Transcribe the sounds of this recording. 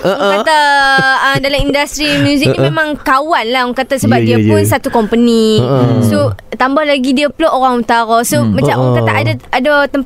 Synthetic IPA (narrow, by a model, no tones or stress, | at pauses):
ɔŋkat̪aədalamindast̪ɾimũzəimẽmãŋkawanlaɦɔŋkat̪asəbap̚diəpdʊnsat̪ukɔmpənĩsot̪ambahlaɡidiəpəlɔʔoɾaŋut̪aɾɔsomat͡ʃamɔŋk̪at̪a̰ʔadaadat̪əmp